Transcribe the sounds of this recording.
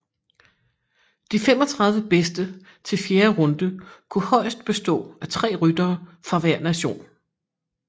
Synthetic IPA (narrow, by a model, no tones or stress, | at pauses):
d̥ifemɒ̽t͡sʰʁɑ̈ð̞ˠʋəb̥esd̥ə | t͡sʰe̝lfjeːɐʁɔ̽nd̥əkʰuhɒ̽ɪsd̥̚b̥e̝sd̥ɔ̰̽ːæt͡sʰʁɛ̰ːʁyd̥ɐːfʁɑ̈ʋæɐ̰næɕo̝̰ːn